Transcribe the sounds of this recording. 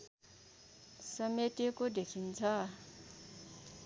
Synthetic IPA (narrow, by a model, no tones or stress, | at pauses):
sametekodekʰint͡sʰa